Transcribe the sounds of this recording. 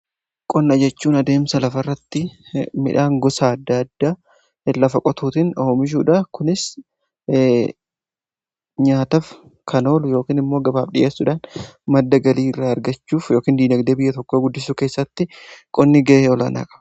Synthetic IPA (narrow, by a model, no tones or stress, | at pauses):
kʼɔnːɐd͡ʒɛt͡ʃːuːnɐd̪e̞ːmsɐlɐfɐrːɐt̪ːɪmɪ̰ᶑaːŋɡɔsaːɐd̪ːɐɐd̪ːaː | lɐfɐkʼɔt̪ʰuːt̪ɪnoːmɪʃ̬uːᶑɐkʊnɪs | ɲaːt̪ɐf | kʰɐno̞ːlʊjo̞ːkiːnɪmːo̞ːɡɐba̰ːbᶑɪʔeːsːʊᶑaːnmɐd̪ːɐɡɐliːɪrːaːɐɾɡɐt͡ʃːuːfjo̞ːkiːnd̪iːd̪ɐɡd̪eːbɪjːɐt̪ɔkːoːɡʊd̪ːɪsuːke̞ːsːɐt̪ːɪkʼɔnːɪɡɐʔeɔla̰na̰ːkʼɐ̥b